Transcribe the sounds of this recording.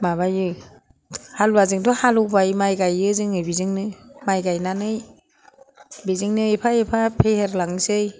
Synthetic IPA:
maβajɯ | halwazɯŋdɔhalɔbajmajɡajɯzɯŋɯjbizɯŋnɯmajɡajnanɯj | bizɯŋnɯepʰajepʰapʰeheɾlaŋsɯj

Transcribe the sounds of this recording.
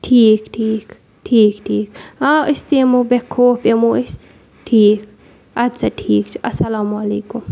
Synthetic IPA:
ʈʰiːkʈʰiːk | ʈʰiːkʈʰiːkaʔəst̪emobekʰːoːpemoəs | ʈʰiːk | ɐd̪sɐʈʰiːkt͡ʃʰi̥ʔɐsɐlaːmuɐleːkum

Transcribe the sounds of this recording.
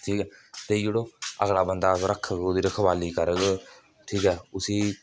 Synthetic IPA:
ʈʰiːkɛːt̪eːd͡ʒeːɽoːə̰ɡlaːbənd̪aːkɾəkʰːəɡd̪iːɾəkʰbaːliːkəɾəɡ | ʈʰiːkɛːʊsiː

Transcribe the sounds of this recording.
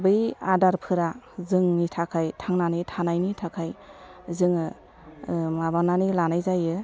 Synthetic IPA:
bɯjadaɾpʰɯɾazɯŋnitʰakʰajtʰaŋnanitʰanajnitʰakʰajzɯŋɯ | mabananilanajzajɯ

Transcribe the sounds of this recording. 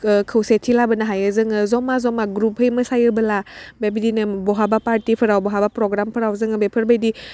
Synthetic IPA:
kʰəwsetʰːilabənaɦajɯzɯŋɯzɔmazɔmaɡɾuphəjmɯsajɯbəlabebidinɯbɔɦabapaɾtipʰɯɾawbɔɦabapɾɔɡɾampʰɯɾawzɯŋɯbepʰɯɾbajdi

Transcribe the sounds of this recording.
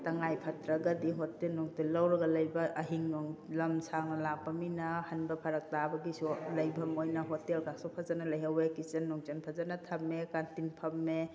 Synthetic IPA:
tɐŋajpʰatɾaɡadiɦotelnɔŋtelːawɾɐɡɐlɐjbɐʔːɦiŋnɔŋlɐmsaŋnɐlak̚paminahanbɐpʰɐɾɐk̚tabɐɡisulɐjbɐmojnɐɦotelkasɔpʰazanalɐjawekit͡ʃɐnːɔŋt͡ʃanpʰazanatʰɐmːekantinpʰɐmːe

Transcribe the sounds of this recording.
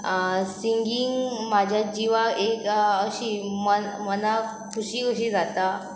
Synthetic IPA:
siŋɡiŋɡmad͡ʑʱjad͡ʑiʋaekəɕiməməna | kʰuɕiːəɕiːd͡zat̪a

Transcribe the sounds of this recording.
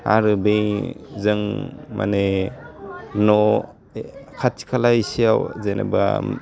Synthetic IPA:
a̰ɾɯbejzɯŋmʔa̰ne | nɔ | kʰatʰi̥kʰalajisiawzenʔḛba̰

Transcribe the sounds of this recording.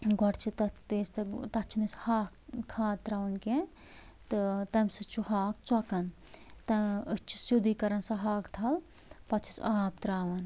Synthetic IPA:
ɡʱɔɽt͡ʃʰit̪ɐt̪eːst̪ɨt̪ɐt͡ʃʰinishaːkkʰːaːt̪ɾaːʋɐnke | t̪ɨt̪ɐmʲsɨt͡ʃʰuhaːk̚t͡sɔkɐnt̪ɐɨt͡ʃʰi̥sjud̪ikɐɾɐnsɐɦaːkt̪ʰɐl | pɐt͡ʃʰi̥saːpt̪ɾaːʋɐn

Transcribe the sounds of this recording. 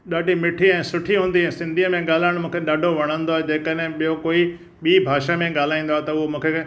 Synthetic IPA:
ɗaːɖʱimɪʈʰiɛ̃ːsʊʈʰiɦũːn̆d̪iɦɛ̃ːsɪ̃nd̪ʱiəmẽɠaːl̤aːɪɽ̃mũːkʰeɗaːɖʱoʋɐɽ̃ə̃nd̪oaːed͡ʑeːkəɗɦɪ̃ɓijokoːi | ɓiːbʱaːʃamẽɠaːl̤aːĩːn̆d̪oaːɦet̪ɐʊɦomũːkʰe

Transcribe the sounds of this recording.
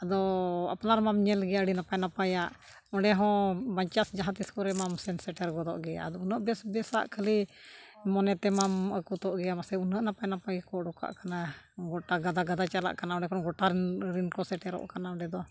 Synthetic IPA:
ad̪ɔa̰pnaɾmamɲɛlɡɛjaɖinapajnapajaʔ | ɔɖɛɦɔ̃baɲt͡ʃasd͡ʒaɦãt̪iskɔɾɛmamsɛnsɛʈɛɾɡɔd̪ɔ̰ʔɡɛaa̰d̪ɔunəʔbɛsbɛsa̰ʔkʰəli | mɔnɛt̪ɛmaməkut̪ɔʔɡɛjamasɛunəʔnapajnapaɛkɔɖɔka̰ʔkana | ɡɔʈaɡad̪aɡad̪at͡ʃala̰ʔkanaɔ̃ɖɛkʰɔnɡɔʈaɾɾinkɔsɛʈɛɾɔ̰ʔkanaɔ̃ɳɖɛd̪ɔ

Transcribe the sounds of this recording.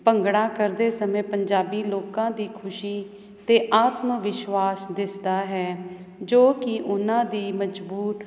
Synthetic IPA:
pəŋɡɽãːkəɾd̪eːsəmẽːpəɲd͡ʒaːbiːloːkãːd̪iːkʰʊʃiː | t̪eːʔaːt̪məʋɪʃʋaːsd̪ɪsd̪aːɦɛː | d͡ʒoːkɪʔʊnãːd̪iːməd͡ʒbuːɾ

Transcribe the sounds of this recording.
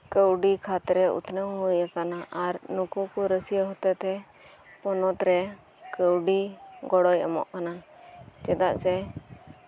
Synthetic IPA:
kəwɖikʰat̪ɾɛṵt̪nəwɦujakanaʔaɾnukukuɾəsijəɦɔt̪ɛt̪ɛ | pɔnɔt̪ɾɛ | kəwɖiɡɔɽɔja̰mɔ̰ʔkanat͡ʃɛd̪aʔsɛ

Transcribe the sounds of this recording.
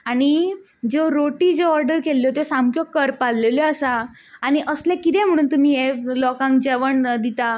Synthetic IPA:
aɽ̃i | d͡zoɾoʈiːd͡zeɔɾɖəɾkelːjot̪esamkjɔkːəɾpalleljɔəsa | aɽ̃iʔəslẽkit̪ɛ̃m̤əɽ̃uːnt̪um̤iːelɔkãŋkd͡ʑɛʋəɳd̪it̪a

